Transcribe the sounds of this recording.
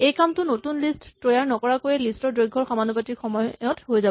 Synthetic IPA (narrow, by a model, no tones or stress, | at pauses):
ejkamtʊnotunlisttojaɹnɔkɔɹakojɛlistɔɹdɹojɡʱːɔɹxamanɔpatixɔmɔjɔthojzabɔ